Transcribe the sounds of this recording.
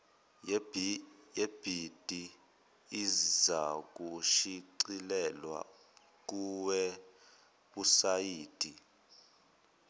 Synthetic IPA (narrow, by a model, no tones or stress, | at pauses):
jeb̥ʱid̥ʱiː | zak̬ʼuʃiǀilɛlwa̰ | k̬uwɛ | ɓusajiːd̥ʱʼi